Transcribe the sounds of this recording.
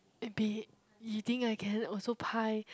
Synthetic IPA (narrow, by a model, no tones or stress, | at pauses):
ɛ̃nbi | jut̪ĩŋkaɪkʰɛ̃nɔlsopʰaɪ